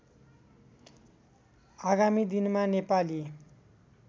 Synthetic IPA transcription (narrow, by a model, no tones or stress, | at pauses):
aɡamid̪inmanepali